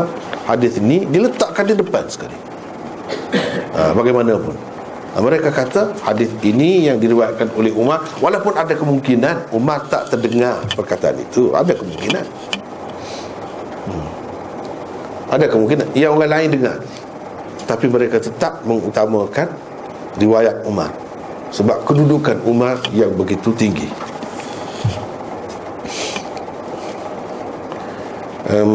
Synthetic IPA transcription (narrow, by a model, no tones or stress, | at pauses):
hadɪθinidilət̪aʔkandidəpansə̥ka̰lḭ | ə̰baɡajmanapʊn | ə̰məɾekakat̪ahadɪθinijaŋdiɾiwat̪̚kanolɛɦumawalaupʊnadakəmuŋkinanumart̪a̰ʔt̪ərdəŋarpərkat̪aa̰nḭt̪ua̰dakəmuŋkina̰n | ʔadakəmuŋkina̰nijaoŋalaɪndəŋa̰r | ət̪apiməɾekat̪ət̪aʔ̚məŋut̪amãkan | riwajat̪̚uma̰r | səbap̚kədudukanumarjaŋbəɡit̪ut̪iŋɡḭ | ʔə